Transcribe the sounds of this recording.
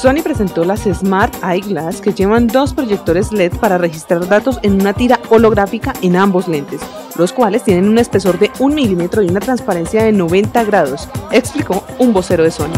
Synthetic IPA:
so̞nipɾe̞se̞nt̪o̞lasezmaɾt̪ajɡlaske̞d͡ʒe̞βand̪o̞spɾo̞ʝe̞k̚t̪o̞ɾe̞zle̞t̪paɾare̞xist̪ɾaɾd̪at̪o̞se̞nunat̪iɾao̞lo̞ɣɾafikaʔe̞nambo̞zle̞nt̪e̞s | lo̞skwalest̪je̞ne̞nune̞spe̞so̞ɾd̪e̞unmilime̞t̪ɾo̞iunat̪ɾanspaɾe̞nsjaðe̞no̞βe̞nt̪aɣɾaðo̞se̞kspliko̞umbo̞se̞ɾo̞ðe̞so̞ni

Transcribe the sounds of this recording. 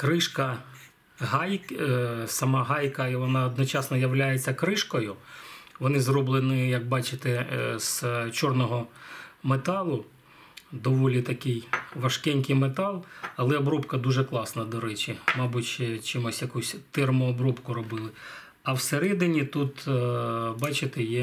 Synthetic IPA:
kɾɪʃkɐ | ɦɑj | sɐmɑɦɑjkɐiʋɔnɑɔd̪nɔt͡ʃɑsnɔjɐwlʲajet͡sʲːɐkɾɪʃkɔjʊʋɔnɪzrɔblˠenɪjɐk̚bɑt͡ʃɪt̪ɪz̥t͡ʃɔrnɔɦɔmet̪ɑlˠʊ | d̪ɔʋɔlʲit̪ɐkɪjʋɐʃkɛnʲkɪjmet̪ɑlˠɐlˠɛɔbɾɔpkɐd̪uʒɛklˠɑsnɐd̪ɔɾɛt͡ʃʲɪmɑbutʲʃɛt͡ʃimɔsʲjɐkusʲt̪ɛrmʊɔbɾɔpkʊɾɔbɪlˠɪ | ɐwseɾɛd̪ɪnʲit̪ut̪ | bɑt͡ʃɪt̪ɛjɛ

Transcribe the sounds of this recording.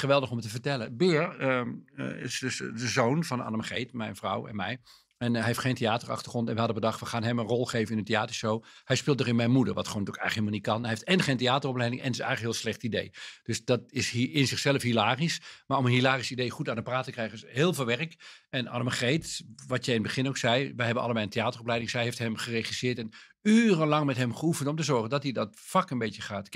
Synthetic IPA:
χəʋɛlˠdəχɔmtəvəɹtɛləbɪːrə̰ɪ̰sdøsdəzownvɑnɑ̰dəmχejtmɛjnvrɔ̰wɛ̰nmɛj | ɛnɦɛɪftχeːntejaːtərɑ̰xtə̥χrɔntɛnʋəhɑdəbədɑχtʋəχaːnɦɛmənrɔlˠxejvənɪnənteaːtəɹʃowhɛjspɪːlˠtdərɪnmɛjnmudəɹʋɑtχontyəkɛjnəkɦilmlˠnit̚kɑnɦɛɦeɪftɛnχeːnteaːtərɔplɛjdɪŋʔɛ̰ndtɪsɛ̰jɣŋləkɦɪːlˠslɛχtidejd̥øsd̥ɑtɪsɪnzɪχsɛləfɦilaːrismaːɹɔmənɦilaːrisidejχutaːnəpraːtəkrɛjχənsɦɪːlˠvɪːlˠʋɛrəkɛna̰dəməχejtʋɑtjɛjɪnədbəχɪnoksɛjʋɛjɦɛbənɑ̰lˠəbɛjəntejaːtərɔplɛjdɪŋsɛjɦeftɦɛmχəreχisɪːtɛn | yːrənlɑŋmɛtɦɛmχəufəntɔmtəzɔɹχəndɑtɦidɔtfɑkənbejtjəχaːtk

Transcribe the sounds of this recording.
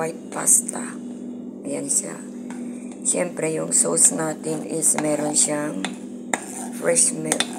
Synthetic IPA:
ajpa̰st̪a | jansa̰ | sjempɾejuŋsosnat̪inismeɾonʃaŋ | fɾeʃme

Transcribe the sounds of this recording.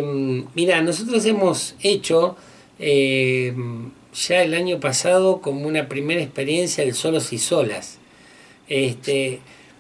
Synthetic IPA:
mːiɾano̞s̬o̞t̪ɾos̬emo̞set͡ʃo̞ | em | ʒ̥aelaɲo̞pasað̞o̞ko̞mounapɾime̞ɾaespe̞ɾje̞nsjaðelso̞losiso̞la̰s | est̪e

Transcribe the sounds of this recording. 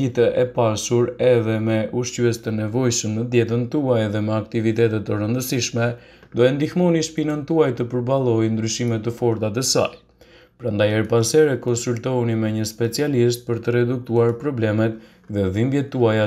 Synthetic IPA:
it̪ɛʔɛpasuɾɛðɛmɛʔuʃt͡ɕyɛst̪ənɛvɔjʃəmnəd̪jɛt̪ənt̪uajðɛmɛakt̪ivit̪ɛt̪ɛt̪ərənd̪əsiʃmɛ | d̪ɔɛnd̪ixmɔniʃpinant̪uajt̪əpəɾbalˠɔjnd̪ɾyʃimɛt̪ːəfɔɾt̪at̪ɛsa̰j | pɾand̪ajɛɾpasɛɾɛkɔnsult̪ɔunimɛɲəspɛt͡sialist̪̚pəɾt̪əɾɛd̪uk̚t̪uaɾpɾɔblɛmɛt̪ | ðɛðimbjɛt̪ːuaja

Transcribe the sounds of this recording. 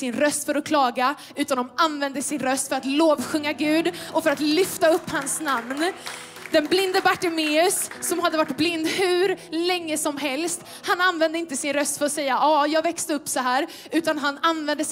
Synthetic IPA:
sɪnɾœst̪fœɾɔkʰlɑːɡa | ʉ̟ːt̪and̪ɔmanvɛnd̪əsɪnɾœst̪fœɾat̪loːvɧɵŋːaɡʉ̟ːd̪ɔfœɾat̪lʏft̪aɵpːhansnamn | d̪ɛnblɪnd̪əbaʈɪmeːɵsːɔmhɦad̪ːəvaʈːblɪnd̪hʉ̟ːɾlɛŋːəsɔmɦɛlst̪ | hananvɛnd̪əɪnt̪əsɪnɾœst̪fœɾɔsɛjːaʔɑːjɑːɡvɛkst̪əɵpːsɔɦæːɾ | ʉ̟ːt̪anɦananvɛnd̪ə

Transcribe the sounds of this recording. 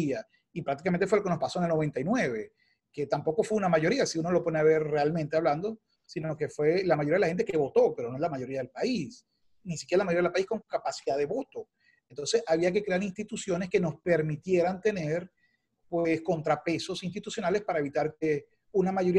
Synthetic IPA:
ia | ipɾakt̪ikament̪efwelokeno̞spaso̞enelno̞β̞e̞nt̪ajnwe̞βe̞ | ke̞t̪ampo̞ko̞fweunamaʝo̞ɾiasiuno̞lo̞po̞neaβe̞ɾrealmẽnt̪eaβland̪o̞ | sinoke̞fwe̞lamajoɾiaðeahent̪̬eke̞βo̞t̪o̞pe̞ɾonoe̞zlamaʝo̞ɾiaðelpais | nisikjeɾalamajoɾiaðelpaisko̞ŋkapasiðaðe̞βo̞t̪o̞ | ent̪o̞nse̞saβiake̞kɾe̞aɾinst̪it̪usjo̞ne̞ske̞no̞spe̞ɾmit̪je̞ɾant̪e̞ne̞ɾ | pwesko̞nt̪ɾape̞so̞sinst̪it̪usjo̞nale̞spaɾae̞βit̪aɾke | unamaʝo̞ɾi

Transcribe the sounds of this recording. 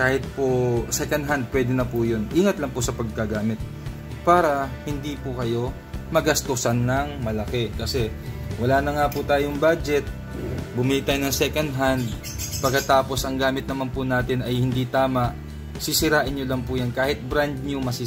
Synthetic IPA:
kaːhɪt̪̚posɛkɐn̚ɦand̪̚pwɛːd̪ɛnɐpʊjonʔiːŋɐt̪lɐŋpʊsɐpɐɡ̚kɐɡaːmɪt̪̚ | paːɾɐhɪnd̪iːpʊkɐjo̞ | mɐɡɐst̪usɐnːɐŋmɐlɐkɛkɐsɛwɐlaːnɐŋaːpʊt̪aːjoŋbaːd͡ʒɛt̪̚ | bʊmɪlit̪aːjnɐŋsɛkɐnd̪ɦand̪̚ | pɐɡkːɐt̪aːpo̞sʔɐŋɡaːmɪt̪nɐmanpʊnaːt̪ɪnɐjhɪnd̪iːt̪aːmɐʔ | sɪsɪɾaːʔɪnɲolɐŋpʊːjɐnkaːhɪt̪̚bɾand̪̚ɲomɐsɪ

